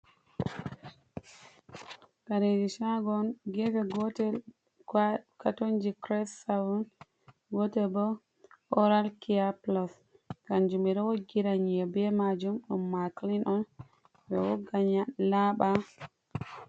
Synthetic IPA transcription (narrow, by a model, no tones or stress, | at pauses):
kaɾed͡ʒiʃaɡɔnɡɛbɛɡɔtɛ | katond͡ʒikɾɛsawun | ɡɔtɛbɔ | ʔɔɾalkiaplɔs | kand͡ʒumiɾɛwɔɡiɾaɲɛbɛmad͡ʒumɗṵmːaklinʔɔn | bɛwɔɡaɲalaɓa